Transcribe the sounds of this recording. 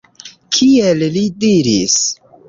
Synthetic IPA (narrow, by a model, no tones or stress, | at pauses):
kʰiellidiɾis